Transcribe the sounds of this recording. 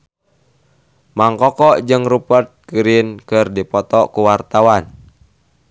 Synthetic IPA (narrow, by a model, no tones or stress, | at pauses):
maŋkɔkɔʔd͡ʒɨŋrupərt̪̚kɨɾinkɨrdipɔt̪ɔkuwart̪awan